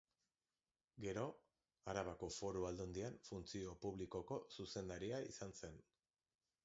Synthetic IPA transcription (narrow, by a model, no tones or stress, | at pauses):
ɡe̞ɾo̞ | aɾaβako̞fo̞ɾuald̪ond̪iaɱfunt͡sio̞puβliko̞ko̞suse̞nd̪aɾiaisanse̞n